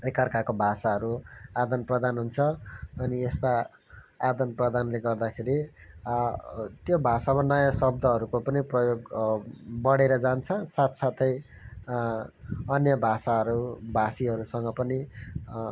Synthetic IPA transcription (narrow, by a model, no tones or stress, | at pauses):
ekʌrkakobʱasaɦʌɾuad̪ʌnprʌd̪anɦunt͡sʰʌʌniest̪a | ad̪ʌnprʌd̪anleɡʌrd̪akʰeɾi | t̪jobʱasabʌnʌjasʌb̚d̪ʱʌɦʌɾukopʌniprʌjoɡ | bʌɽeɾʌd͡zant͡sʰʌsat̪sat̪ʰʌj | ʌnjʌbʱasaɦʌɾubʱasiɦʌɾusʌŋɡʌpʌni